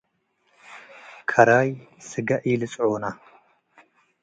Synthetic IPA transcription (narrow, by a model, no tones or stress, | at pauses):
kʰɐɾajsɨɡɐʔɪlɨt͡sʼʕona